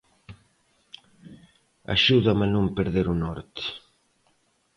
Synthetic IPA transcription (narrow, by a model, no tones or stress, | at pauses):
a̰ʃuðamanũmpeɾðeɾunɔɾt̪ɪ̥